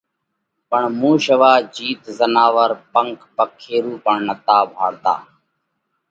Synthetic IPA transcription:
pəɳmũːʃəʋaːd͡ʒiːt̪zənaːʋəɾpəŋkpəkʰːeːɾuːpəɳnət̪aːbʱaːɾd̪a̰ː

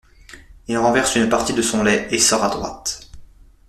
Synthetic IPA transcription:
ilʁɑ̃vɛʁsynpaʁt̪id̪əsɔ̃lɛesɔʁad̪ʁwa̰t̪

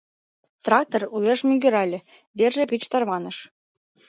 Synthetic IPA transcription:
t̪rɑk̚t̪oruβʲĕʃmʲiɡʲyɾɑlʲɘ̆ | berʒĕkit͡ɕt̪ɑrmɑnɤ̆ʃ

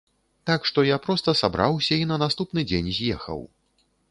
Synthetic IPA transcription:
t̪akʂt̪ɔjapɾɔst̪ɐsabɾawsʲɐinɐnast̪upnɨd͡zʲenʲzʲjɛxɐ̰w

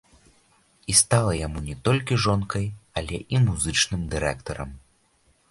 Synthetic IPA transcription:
ist̪alˠɐjamunʲɛt̪ɔlʲkʲiʐɔnkɐjɐlʲɛʔimuzɨt͡ʂnɨmd̪ɨɾɛkt̪ɐɾɐ̰m

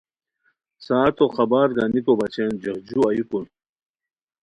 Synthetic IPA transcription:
saːt̪oxɐbaːɾɡanikobɐt͡ɕend͡ʑɐɦd͡ʑuɐjukun

